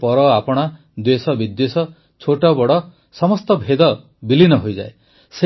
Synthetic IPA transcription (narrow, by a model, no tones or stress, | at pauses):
pɔɾɔapɔɽ̃a | d̪esɔbid̪jesɔ | t͡ʃʰoʈɔbɔɽɔ | sɔmɔst̪ɔbʱed̪ɔ | bilinɔɦojd͡ʒae | se